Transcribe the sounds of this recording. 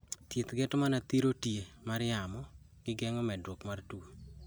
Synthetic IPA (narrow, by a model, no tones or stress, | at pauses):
t̪jet̪ɡɛtmanat̪iɾotjemaɾjamɔ | ɡ̥ɪɡɛŋɔmɛdwokmartu